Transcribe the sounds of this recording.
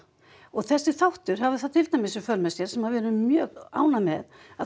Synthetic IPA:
ɔɣθɛsːɪθawht̪ʏɾ̥ɦavʏθaðt̪ʰɪlt̪ajmɪsʏfœlmɛsjɛɾ̥sɛmhaðvɛːɾʏmjœːɣa̰ːwnamɛð | a

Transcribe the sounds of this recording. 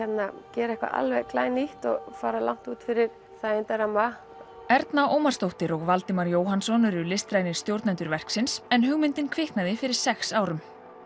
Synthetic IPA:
ɛt̪nacɛːɾaɛhkva̰ʔa̰lvɛɣklaːjniht̪ɔ̰ɣfaːɾala̰wŋ̥t̪uːt̪fɪɾɪɾ̥ | θaːjɪnt̪aɾama | ɛɾt̪naʔoːwmaɾ̥st̪owht̪ɪɾɔɣvalt̪ɪmaɾjoːwɦansɔnʏɾʏlɪst̪ɾaːjnɪɾ̥st̪jowɾt̪nant̪ʏɾvɛr̥ksɪnsɛnɦʏɣmɪnt̪ɪnkʰvɪhknaðɪfɪɾɪɾ̥sɛxsaːwɾʏm

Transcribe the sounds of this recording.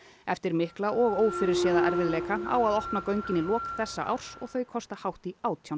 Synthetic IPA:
ɛft̪ɪɾmɪhklaʔɔɣoːwfɪɾɪɾsjɛːðaʔɛɾvɪðleːjkaa̰waðɔhpnakœɥɲcɪnɪlɔːkθɛsːa̰ʔa̰wr̥sɔ̰ɣθœɥjkʰɔst̪ahawht̪iaːwt̪ʰjawn

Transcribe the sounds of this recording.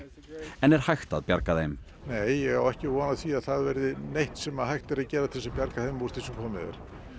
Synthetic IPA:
ɛnɛɾ̥hajxt̪a̰ðpja̰ɾkaðejm | neːjɛɣawɛhcɪvɔːnaðθviaðθaðvɛɾðɪnejht̪sɛmaðhajht̪ɛɾaðcɛːɾat̪ʰɪlsɛpjaɾkaθejmvɔɾ̥t̪ʰilsʏmkʰɔːmɪðɛ̰ɾ̥

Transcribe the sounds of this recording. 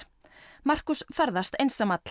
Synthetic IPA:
mar̥kusfɛɾðast̪ejnsamat̪l

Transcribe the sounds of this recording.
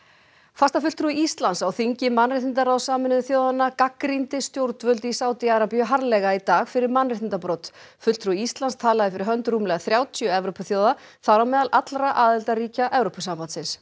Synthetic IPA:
fast̪afʏlt̪ʰːɾuɪist̪lansawθiɲcɪmanːrɪht̪ɪnt̪aɾawðsaːmɪnʏðθjoːwðanːakakɾint̪ɪst̪jowɾt̪vœlt̪isaːwt̪iaɾapiʏɦaɾlɛɣait̪aːɣfɪɾɪɾmanːrɪt̪ɪnt̪apɾɔwt̪fʏl̥t̪ʰːɾuɪist̪lanst̪ʰaːlaðɪfɪɾɪɾɦœnt̪ruːmlɛɣaθɾjaːwt̪ʰjœɛvɾopʏθjoːwðaθaɾawmɛːðalʔat̪lɾaʔaːðɪlt̪aɾiːcaʔɛvɾowpʏsampant̪sɪns

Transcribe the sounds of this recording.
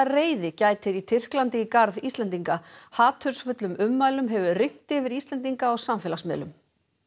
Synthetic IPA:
reːjðɪcaːjt̪ʰɪɾit̪ʰɪr̥klant̪ɪikaɾðist̪lɛnt̪iŋkahaːt̪ʰʏɾ̥sfœt̪lʏmʏmːaːjlʏmɦɛvʏrɪŋ̥t̪ɪvɪɾist̪lɛnt̪̬iŋkaɔɣsamfɛːlasmɛ̰ːlʏ̰m

